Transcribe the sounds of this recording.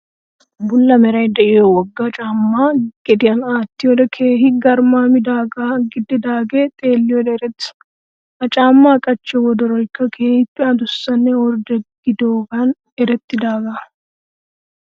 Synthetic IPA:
bʊlːɐmɛɾɐjd̪ɛʔɪjɔwɔɡːɐt͡ʃʼaːmːaːɡ̥ɛd̪ɪjɐnaːt̪ːɪjod̪ɛkʰeːɦɪɡɐɾmaːmɪd̪aːɡɐɡɪd̪ːɛd̪aːɡeːt̪ʼe̞ːlːɪjɔd̪ɛɛɾɛt̪ːs | ɐt͡ʃʼaːmːaːkʼɐt͡ʃːɛwɔd̪ɔɾɔjkːɐkʰe̞ːhɪpːɛɐd̪ʊsːɐnːɛɔɾd̪ɛɡ̥ɪd̪oːɡɐn | ɛɾɛt̪ːɪd̪aːɡɐ

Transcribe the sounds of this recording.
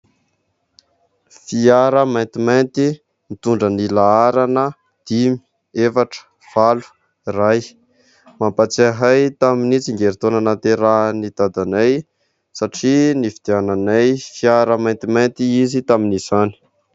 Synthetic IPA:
fiaɾəmãjnt̪imajnt̪i | mit̪uɳɖ͡ʐənilaaɾanə | d̪̥imi̥ | efaʈ͡ʂə̥ | v̥alu̥ | raj | mampat͡saɦajt̪aminit͡siŋɡeɾit̪onənat̪eɾanit̪ad̪anaj | saʈ͡ʂinifid̪̥eananajfiaɾəmajnt̪imant̪iizit̪aminizani̥

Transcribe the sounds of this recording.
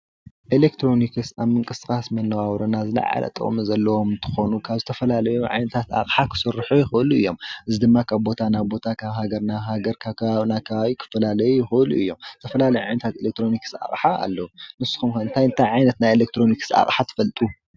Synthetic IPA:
ʔelekt̪ʰɾo̞nikʰɨsaβmɨŋkʼɨsxʼasmɐnːɐwawɾɐnazɨla̰ʕa̰lɐ̰t̪ʼɨ̰χʼmɨzɐlːɐwo̞mɨnt̪ʰɨ̥xo̞nukʰaβzɨt̪ʰɐfɐlalɐjuʕa̰jnɐt̪ʰat̪a̰kʼħakʰɨ̥sɨrːħujɪxɨɨluɨjːo̞mʔɨzid̪ɨmːakʰaβbo̞t̪ʰanaβbo̞t̪ʰakʰaβhaɡɐɾnaɦaɡɐɾkʰakaaβnakʰɐβaβikʰɨ̥fɐlalɐjujɪxɨɨluʔɨ̰jːo̞mz̥ɨ̥t̪ʰɐfɐlalɐjuʕajnɐt̪ʰat̪elek̚t̪ʰɾo̞nikɨ̥sa̰χʼħaa̰lːɐwunɨsːɨ̥xumkaɨnt̪ʰajɨnt̪ʰajʕajnɐt̪najelek̚t̪ʰɾo̞nikɨ̥sa̰χʼħat̪ʰɨ̥fɐlt̪ʼu

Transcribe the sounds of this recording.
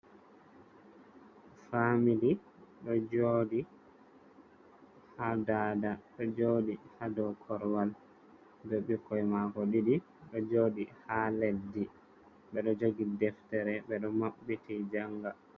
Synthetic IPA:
famili | ɗɔd͡ʒoːɗi | hadaːdaɗɔd͡ʒoɗihadɔkʰɔɾwal | bɛɓikːɔjmakɔɗidi | ɗɔd͡ʒoːɗihaledi | ɓɛɗɔd͡ʒoɡidɛftɛɾɛɓɛɗɔmaɓːitid͡ʒaŋɡa

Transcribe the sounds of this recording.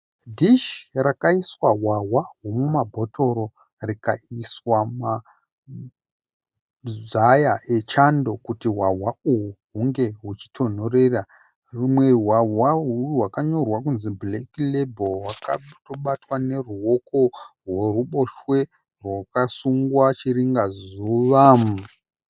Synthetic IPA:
dʱiʃrakaiswaɦwaɦwaɦomumabʱo̞to̞ro̞ | rika̰iswama | zajaʔet͡ʃando̞kutiɦwaɦwauwuɦuŋɡe̞ɦut͡ʃi̥tʰo̞n̤o̞ɾe̞ra | rumwe̞rɦwaɦwaɦuwakaɲo̞rwakunziblekilebowakatoɓatwane̞ruo̞ko̞rworuɓo̞ʃwe̞ | rwakasuŋɡwat͡ʃiriŋɡazuʋam

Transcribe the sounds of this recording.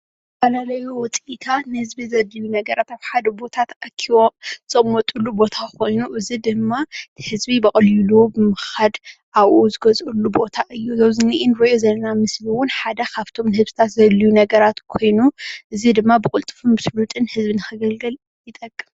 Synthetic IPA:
fɐlalɐjuwʊt͡sʼit̪ʰanɨhɨzbizɐlijunɐɡɐɾat̪aβħad̪ɐbo̞t̪ʰat̪ʔɐkʰːiwomzʼmːɔt̪ʼulːubo̞t̪ʰakʰo̞jnuʔɨzid̪ɨmːat̪ʰi̥hɨzbibɐkʼɐljilubɨmɨxad̪ʔaβʔozɨɡɐzʔulːubo̞t̪ʰaʔɨjːuzɐβzɨniʔɪnɾoʔjozɐlɐnamɨsliwʊnħad̪ɐkʰaβt̪ʰo̞mnɨhɨzsɨt̪ʰat̪zɐlːijunɐɡɐɾat̪kʰo̞jnuʔɨzid̪ɨmːabɨkʼʊlt̪ʼɨ̥fumbɨsɨlut̪ʼɨnhɨzβinɨxɨɡɐlɡɨl | jɪt̪ʼɐkʼːɨm

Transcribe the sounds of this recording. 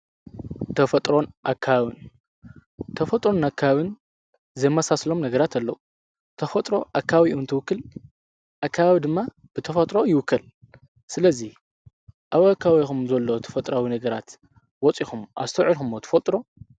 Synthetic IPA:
t̪ʰɐfɐt̪ʼɾo̞nʔakʰːaawɨn | t̪ʰɐfɐt̪ʼɾo̞nakʰːaβɨn | zɐjmasaslo̞mnɐɡɐɾat̪ʰalːɐwu | t̪ʰɐfɐt̪ʼɾo̞ʔakʰːawiʔunt̪ʰɨwʊkːɨl | ʔakʰːaβawid̪ɨmːa | b̥ɨt̪ʰɐfɐt̪ʼɾo̞jɪwʊkːɐl | sɨlɐzi | ʔaβakːawixumzɐlːo̞t̪ʰɐ̥fɐt̪ʼɾawinɐɡɐɾat̪ | wɔt͡sʼixumʔa̰st̪ʰɐʕixumːot̪ʰɐ̥fɐt̪ʼɾo̞

